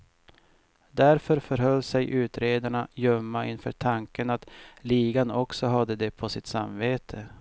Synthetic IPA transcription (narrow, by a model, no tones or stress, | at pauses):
d̪æɾfœɾfœɾɦœlːsɛjʔʉ̟ːt̪ɾeːd̪aɳajœmːaɪnfœ̰ːʈʰaŋkənat̪liːɡanɔksɔɦad̪ːəd̪ɛpʰɔsɪt̪samːveːt̪ʰə